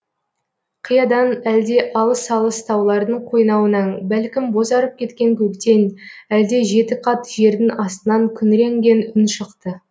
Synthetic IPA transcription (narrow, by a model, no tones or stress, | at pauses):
qʰəjɑd̪ɑnæld̪e̞ʔɑlˠəsɑlˠəst̪ʰɑwlˠɑɾd̪əɴqʰo̞jnɑwənɑɴbælkʲɪmbo̞zɑɾəp̚kʲʰe̞t̪kʲe̞ŋkʲʰɵkt̪e̞næld̪e̞ʒe̞t̪ɪqʰɑt̪ʒ̥e̞ɾd̪ɪnʔɑst̪ənɑŋkʲʰʏnɾe̞ŋɡʲe̞nʏnʃəqt̪ə